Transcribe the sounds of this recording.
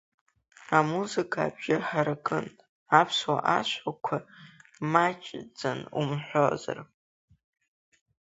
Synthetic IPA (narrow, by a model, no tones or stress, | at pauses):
amuzɨkʰaːbʒaħaɾɨkʰʼɨn | apʰswa̰ʔaʃʷakʷʰamat͡ʃʼd͡zɨnumħʷoza̰r